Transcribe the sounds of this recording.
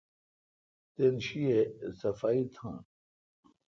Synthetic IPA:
t̪enɕiesɐfaːit̪ʰã̰ː

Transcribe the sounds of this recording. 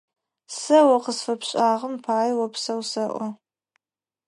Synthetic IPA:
sɐwɐqəsfɐpʰɕʼaːʁəmpʰaːjwɐpʰsɐwsɐʔʷɔ

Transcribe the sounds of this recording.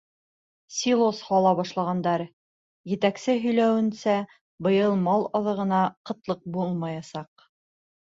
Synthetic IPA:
sʲilˠoshɑlˠɑβɑʃlˠɑʁɑnd̪ɑɾ | jɘ̆t̪æksɘɦɵ̆jlæwɘ̆nsæ | bɤ̆jɤlˠmɑlˠɑðɤ̆ʁɤ̆nɑqɤ̆t̪lˠɤq̚bulˠmɑjɑsɑq̚

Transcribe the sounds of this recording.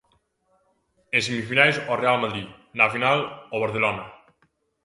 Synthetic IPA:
ensemifinajsɔrealmaðɾinafinaloβaɾθelɔna

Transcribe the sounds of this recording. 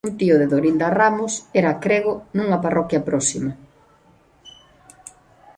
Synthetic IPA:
unt̪iʊðeðoɾind̪aramʊsɛɾakɾeɣonuŋɐparɔkjɐpɾɔsimɐ

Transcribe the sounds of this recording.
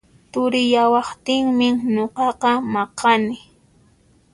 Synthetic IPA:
t̪ʊɾɪjawɑχt̪ɪŋmɪŋɲoqɑqɑmɑqɑnɪ

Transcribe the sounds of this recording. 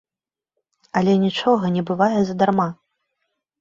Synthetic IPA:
ɐlʲɛnʲit͡ʂɔɣɐnʲɛbɨvajɛzɐd̪arma

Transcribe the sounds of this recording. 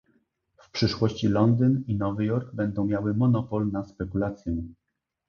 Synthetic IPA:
fpʂɘʂwɔɕt͡ɕilɔnd̪ɘninɔvɘjɔɾɡ̚bɛnd̪ɔ̃w̃mʲjawɘmɔnɔpɔlnaspɛkulat̪sʲjɛ

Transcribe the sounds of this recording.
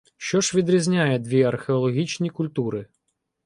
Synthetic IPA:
ʃt͡ʃɔʒʋʲid̪ɾʲizʲnʲajɛd̪ʋʲiɐrxʲeɔlˠɔɦʲit͡ʃnʲikʊlʲt̪uɾɪ

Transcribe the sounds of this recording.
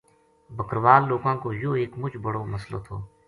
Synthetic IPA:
bʱəkɾʋaːlːoːɡãːkoːjoːeːkmʊt͡ʃbəɽoːməslo̰ːt̪ʰo̰ː

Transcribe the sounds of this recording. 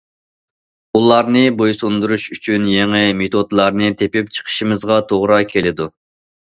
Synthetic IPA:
ulˠɑɾnɨbojsund̪uɾuʃyt͡ʃʰynjeŋɪmet̪ʰod̪lˠɑɾnɨt̪ʰepɪpt͡ʃʰə̥qʰə̥ʃimɨzʁɑt̪ʰoʁɾɑkʲʰelɪd̪u

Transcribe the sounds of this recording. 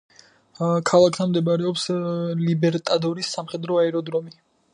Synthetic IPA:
kʰalˠakʰt̪ʰanmd̪ɛbaɾɛɔpslibɛɾt̪ʼad̪ɔɾisːamχɛd̪ɾɔaɛɾɔd̪ɾɔmi

